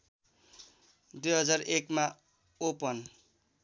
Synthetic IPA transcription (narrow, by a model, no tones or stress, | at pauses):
d̪ujɦʌd͡zarekma | opʌn